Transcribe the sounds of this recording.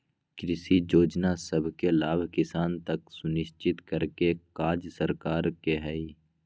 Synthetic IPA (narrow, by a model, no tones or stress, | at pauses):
kɾɪsid͡ʒoːd͡ʒnasəbʱkelaːbʱkɪsaːnt̪ɐksʊnɪʃt͡ʃɪt̪kəɾkekaːd͡ʒsəɾkaːɾkeɦɛi